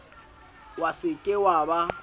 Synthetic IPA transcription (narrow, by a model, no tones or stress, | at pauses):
wasɪkʼɪwaːba